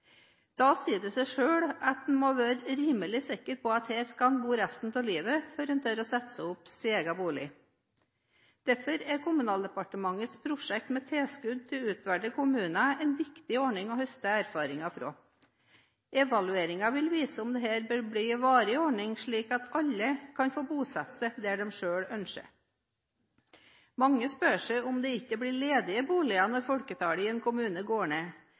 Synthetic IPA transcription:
d̪̥ɑːsiːd̪ɛsæɪʂøːɽɑt̪̚d̪n̩moʋæːɾəɾiːməlɪsɪkːəɾpʰɔɑt̪heːɾskɑnbuːɾæst̪n̩t̪ʰɪliːʋəfɔɾənt̪ʰɛɾɔsɛt̪ːsəʊpsiɛɡɑbuːlɪ̰ | d̪̥æɾfɔɾɛkʰʊmʉnɑːld̪əpɑʈəmɑŋəspʰɾʊʂɛk̚t̪mɛt̪ʰeːskʉd̪̚t̪ʰɪlʉːt̪ʋæɖəkʊmʉːnɑɛnʋɪkt̪ɪɔɳɪŋɔhœst̪əæːɾfɑːɾɪŋɑfɾo̰ː | ʔɛʋɑlʉeːɾɪŋɑʋɪlʋiːsəʊmd̪ɛːɦæːɾbəɾbɽiʋɑːɾɪɔɳɪŋʂɭiːkɑt̪ɑlːəkʰɑnfoːbuːsɑt̪sɛd̪ɛɖɛmʂøːɽœnʂə̰ | mɑŋːəspøːʂɛɪʊmd̪ɛɪkːəbɽɪɭeːd̪ɪəbuːlɪɑnɔɾfɔlkət̪ʰɑːɽɪɛːnkʰʊmʉːnəɡoːɳeː

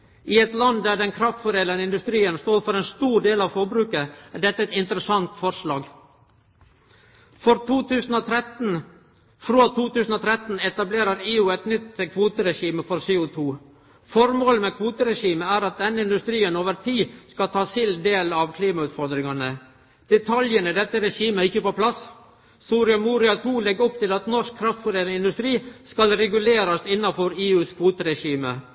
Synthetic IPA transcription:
ʔɪɛt̪lɑnd̪æɖɛnkʰɾɑft̪fɔɾeːlənɪnd̪ʉst̪ɾiːənst̪oːɾfɔɾɛːnst̪uːɾɖeːlɑʋfɔɾbɾʉːkəæɖɛt̪ːəɛt̪ɪnt̪ɾəsɑŋt̪fɔɾʂlɑːɡ | fɔɾt̪ʰuːt̪ʰʉːsn̩ɔt̪ʰɾɛt̪n̩ | fɾoːt̪ʰuːt̪ʉːsn̩ɔt̪ʰɾɛt̪n̩ɛt̪ɑbleːɾəɾeːuːɛt̪nʏt̪kʰʋuːt̪əɾɛʂiːməfɔɾseːʊt̪ʰuː | fɔɾmoːləmɛkʰʋuːt̪əɾɛʂiːməæːɾɑt̪̚d̪ɛnːəɪnd̪ʉst̪ɾiːənoːʋəɾt̪ʰiːskɑt̪ʰɑːsɪld̪eːlɑʋkʰliːmɑʉːt̪fɔɾd̪ɾɪŋɑnə | d̪̥ɛt̪ʰɑljənəd̪ɛt̪ːəɾɛʂiːməɪçːəpɔpʰlɑs | suːɾɪɑmuːɾɪɑt̪ʰuːlɛɡɔpt̪ʰɪlɑt̪nɔʂkʰːɾɑft̪fʊɾeːɾɪnd̪ʉst̪ɾiːskɑlɾɛɡʉleːɾɑst̪ɪnːɑfɔɾeːʉːskʰʋuːt̪əɾɛʂiːmə

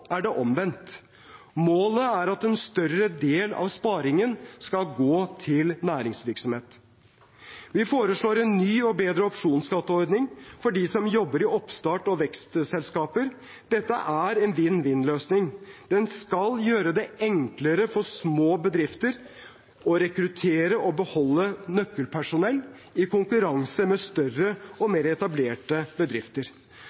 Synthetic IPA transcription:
æɖɛʔɔmʋɛnt̪ | moːləæɾɑt̪ɛnst̪œɾəd̪eːlɑ̰ʋspɑːɾɪŋənskɑlɡoːt̪ʰɪlnæːɾɪŋsʋɪɾksɔmheːt̪ | ʋɪfoːɾəʂɭoːɾɛnːyːɔbeːd̪ɾəɔpʂuːnsɡɑt̪ːəɔɾd̪nɪŋfɔɖisɔmjɔbːəɾɪɔpst̪ɑːʈɔʋɛkst̪sɛlskɑːpəɾ | d̪̥ɛt̪ːə̰ʔæɾɛnʋɪnːʋɪnløːsnɪŋd̪̥ɛnskɑljøːɾəd̪ɛɛŋkləɾəfɔsmoːbəd̪ɾɪft̪əɾ | ɔɾɛkɾʉt̪ʰeːɾəʔɔbəhɔlːənœkːəlpʰæʂʊnɛlː | ɪkʰʊŋkʉɾɑŋsəmɛst̪œrəɔmeːɾɛt̪ɑbleːʈəbəd̪ɾɪft̪əɾ

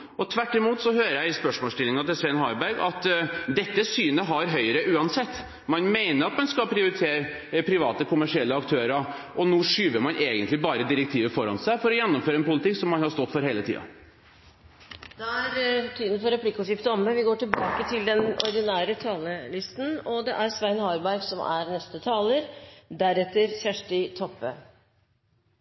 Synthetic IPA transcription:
ɔt̪ʰʋæʈːɪmuːt̪sɔhøːɾəjæɪspœʂmoɔːst̪ɪlːɪŋɑt̪ɪlsʋɛnɦɑːɾbæɾɡɑt̪d̪ɛt̪ːəsyːnəɦɑɾɦœʏɾəʔʉːɑnsɛt̪ː | mɑnmeɪnəɾɑt̪mɑnskɑlpʰɾɪʊɾɪt̪ʰeːɾ | pʰɾɪʋɑːt̪əkʰʊmæʂɪɛlːəɑkt̪ʰøːɾɑ | ɔnuːʂyːʋəɾmɑnʔeːɡənt̪lɪbɑːɾəd̪ɪɾɛk̚t̪ʰiːʋəfɔɾɑ̰nsæɪfɔɾɔjɛnːɔmføːɾəɛnpʊlɪt̪ʰɪkːsɔmːɑnhɑʂst̪ɔt̪ːfɔɾɦeːlət̪ʰḭːɑ̰ | d̪̥ɛæɾt̪ʰiːd̪ən̩fɔɾɛpʰlɪkːəʊʂɪft̪əɔməʋɪɡoːʈɪlbɑːkət̪ʰɪld̪ɛnɔ̰ɾd̪ɪnæːɾət̪ʰɑːləlɪst̪n̩ɔd̪ɛʔæɾsʋæɪnhɑːɾbæɾɡsɔmæ̰ɾnɛst̪ət̪ʰɑːləɾd̪æɾɛt̪ːəɾçæʂʈɪt̪ʰɔpːə

